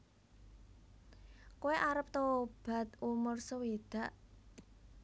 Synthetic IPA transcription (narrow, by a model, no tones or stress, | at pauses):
kuweʔaɾəp̚t̪owɔb̥a̤t̪̚umʊrsəwed̪̥ä̤ʔ